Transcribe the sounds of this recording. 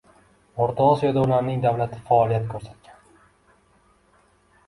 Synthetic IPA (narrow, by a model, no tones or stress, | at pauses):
oɾt̪ʰoːsijod̪aʊlaɾnɪŋd̪awlat̪ʰɪfaːlˠijat̪kʰɵɾsat̪̚kʲʰan